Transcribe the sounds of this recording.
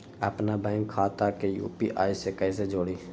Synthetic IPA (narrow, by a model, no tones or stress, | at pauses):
ə̰pnaːbɛ̃ːŋkkʰaːt̪aːkejṵːpḭːʔa̰ːiseːkəis̬ed͡ʒoːɽiː